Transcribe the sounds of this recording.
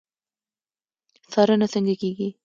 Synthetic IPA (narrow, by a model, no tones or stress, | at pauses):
sɑɾənasəŋɡakeɡi